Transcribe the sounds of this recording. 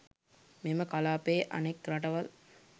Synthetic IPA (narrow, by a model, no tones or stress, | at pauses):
meməkalaːpeːʔɐ̰nekɾɐʈɐʋɐl